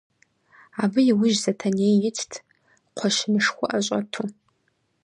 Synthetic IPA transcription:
aːbɨjɪwʊʒzɐtʰɐneːjjɪt͡sʰtʰ | qʷʰɔʃɪnɨʂxʷʊʔɐɕʷʼɐtʰu

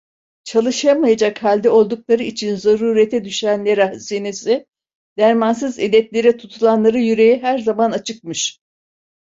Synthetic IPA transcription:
t͡ʃʰalˠɯʃamajad͡ʒakhalʲd̪ɛo̞lˠd̪uklˠaɾɯit͡ʃʰinzaɾuːɾet̪ʰɛd̪yʃænlʲeɾahsinesɪ | d̪̥æɾmans̬ɯzḛlʲɛt̪lʲe̞ɾɛt̪ʰut̪ʰulˠanlˠaɾɯjyɾe̞jiɦæɾzamanat͡ʃʰɯk̚mɯʃ

